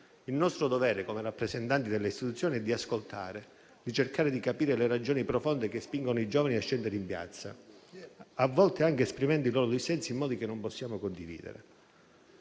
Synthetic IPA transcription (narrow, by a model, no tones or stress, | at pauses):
ilnɔst̪ɾʊd̪ovɛːɾekomerapːɾezent̪ant̪id̪elːeist̪it̪ut̪sːjoːniɛd̪ːiaskolt̪ʰa̰ːɾe | d̪it͡ʃerkaːɾed̪ikapiːɾelerad͡ʒoːnipɾofond̪ek̟espiŋɡonoid͡ʒɔːvaniaʃːɛnd̪eɾeimpja̰t̪sːa̰ | avːɔlt̪eaŋkeːspɾimɛnd̪oiloːɾʊd̪ɛsɛnsiːmːɔːd̪ikenːompɔsːjaːmokond̪ivḭːd̪ḛɾḛ